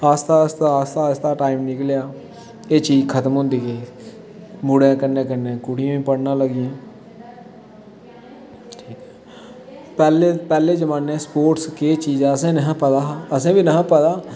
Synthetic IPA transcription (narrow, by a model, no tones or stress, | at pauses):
aːst̪aːst̪aːst̪aːst̪aːʈaːimnɪkljaː | eːt͡ʃiːzkʰət̪əmɦʊ̃ːnd̪iːkeː | mʊɽãːkənẽːkənẽːkʊɽɪjãːĩːpəɽnãːləɡɪãː | ʈʰiːkɛ̥ | pɛːlepɛːleːd͡ʒəmãːnɛ̃ːspoːʈskeːt͡ʃiːzaːəsẽːnəɦãːpət̪aːɦaəsẽːʋiːnəɦãːpət̪aː